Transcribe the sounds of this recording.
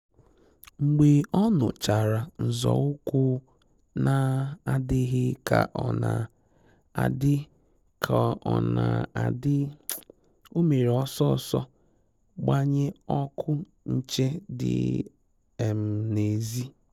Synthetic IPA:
ŋ͡m̩˨ɡ͡be˨ɔ˦nʊ̰˨t͡ʃa˨ɾa˨n̩˨zɔ̰˨ʊ˦kʊ˦ | na˨a˨dɪ˦ɦɪ˦ka̰˨ʔɔ˨na˨ | a̰˨dɪ˦ | kʰa˨ɔ˨na˨a˨dɪ˦ | o˦me˨ɾe˨ɔ˦sɔ˦˨sɔ˦ | ɡ͡ba˦ɲɪ˦ɔ˦kʰʊ˦ | n̩˦t͡ʃe˦dɪ̰˨ | m̩˨ne˨zi˦

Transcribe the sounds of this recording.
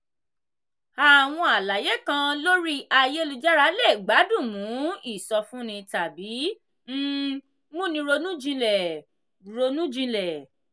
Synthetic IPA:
a˨w̃ɔ̃˧a˨la˨je˨˦kã˧lo˦ɾi˦ʔa˧je˦lu˧d͡ʒa˦ɾa˨˦lɛ˦˨ɡ͡ba˨˦dũ˦˨mũ˨˦i˦˨sɔ˧fũ˦nĩ˧ta˨bi˨˦ | m̩˦ | mũ˦nĩ˧ɾo˧nũ˦d͡ʒĩ˧lɛ˨ | ɾo˧nũ˦d͡ʒĩ˧lɛ˨

